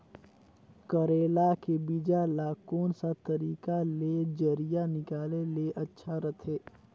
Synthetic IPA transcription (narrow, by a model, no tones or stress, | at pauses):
kəɾeːlakebid͡ʒalakoːnsat̪əɾiːkaled͡ʒəɾijanɪkaːleleʔətːʃʰaɾət̪ʰeː